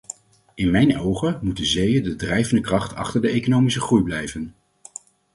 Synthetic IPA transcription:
ʔɪnmɛjnowχəmutdəzejəndədrɛjvəndəkrɑχtʰɑ̰χtəɹdəejkonowmisəχrujblɛjvən

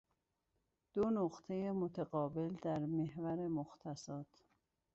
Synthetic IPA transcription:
d̪̥onoɢt̪ʰe̞jemot̪ʰeɢɒːbe̞ld̪æɾmehvæɾemoxt̪ʰæsɒːt̪ʰ

